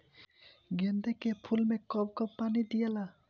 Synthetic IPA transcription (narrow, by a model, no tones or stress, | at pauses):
ɡend̪ekepʰulmekɔb̚kɔpanid̪ijela